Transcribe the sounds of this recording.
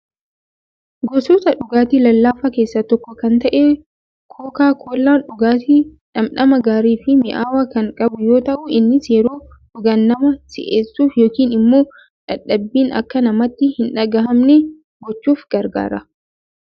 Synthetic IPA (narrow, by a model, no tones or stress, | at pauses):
ɡosoːsɐᶑʊɡaːt̪iːlɐlːaːfɐke̞ːsːɐt̪ɔkːɔkɐnt̪ɐʔe | kʰoːkaːkʰoːlːaːnᶑʊɡaːt̪iːᶑɐmᶑɐmɐɡaːɾiːfɪmɪʔaːwaːkɐŋkʼɐbʊjoːt̪ɐʔʊɪnːɪsjɛɾoː | ᶑʊɡɐnːɐmɐsɪ̰ʔeːsːuːfjo̞ːkiːnɪmːoː | ᶑɐᶑɐbːiːnɐ̰kːɐnɐmɐt̪ːɪhɪnᶑɐɡɐɦɐmnɛ | ɡɔt͡ʃːuːfɡɐɾɡa̰ːɾɐ